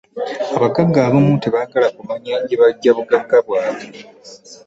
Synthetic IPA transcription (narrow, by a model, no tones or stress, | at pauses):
aβaɡaɡːaːβomuteβaːɡalakumaɲaːɲɟeβaɟːaβuɡaɡːaβwaːβe